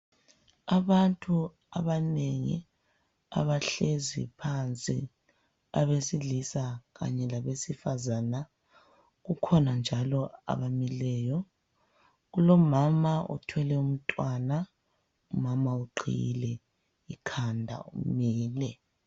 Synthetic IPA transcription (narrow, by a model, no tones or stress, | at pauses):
aβantʼu | aβaneŋḭ | a̰βaɬezḭpʰant͡sʼḭ | aβesiɮisaɣa̰ɲɛlaβesifazana | ɣukʰɔnand͡ʒʱalɔa̰βamilɛːjɔ | ɣulɔmamaɔ̰tʰwɛlɛum̩tʼwana | umamauǃʰḭjḭlɛ | ikʰandʱa̰umiːlɛ